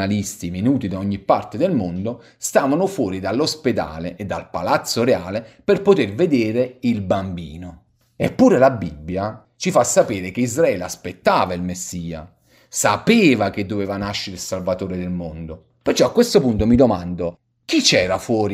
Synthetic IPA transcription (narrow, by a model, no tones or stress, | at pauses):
alist̪iminuːt̪id̪aɔɲːipːart̪ed̪elmond̪o | st̪aːvanʊfwɔːɾid̪alːosped̪a̰ːleʔːd̪ːa̰lpa̰lat̪sːoɾeaːleperpot̪erved̪eːɾeilbambḭːno | epːuːɾelabibːja | t͡ʃifasːapeːɾek̟eizɾaɛːleaspet̪ːaːvailmesːiːa̰ | sapeːvak̟ed̪ːovɛːvanaʃːeɾilsalvat̪oːɾed̪elmond̪o | pert͡ʃːɔakːwest̪opunt̪omid̪omand̪o | k̟it͡ʃːɛːɾafwɔːɾi